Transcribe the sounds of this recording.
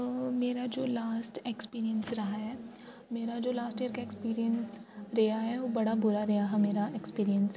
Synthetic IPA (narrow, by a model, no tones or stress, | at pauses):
meːɾad͡ʒoːlaːsʈekspiːɾijənsɾɐɦaɦɛː | meːɾad͡ʒoːlaːsʈiəɾkaekspiːɾijənsɾɛɦaɦɛʋobɐɽabʊɾaɾɛɦaɦɛmeːɾaʔekspiːɾijə̃ns